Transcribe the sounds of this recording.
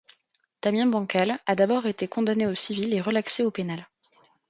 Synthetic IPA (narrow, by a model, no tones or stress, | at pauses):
t̪amjɛ̃bɑ̃kʲalad̪abɔʁet̪ekɔ̃d̪aneosivileʁəlakseopenal